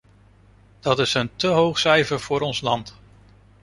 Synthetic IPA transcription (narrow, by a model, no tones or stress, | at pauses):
d̥ɑtɪsəntəɦowχsɛjvəɹv̥ʊːɾɔnslɑnt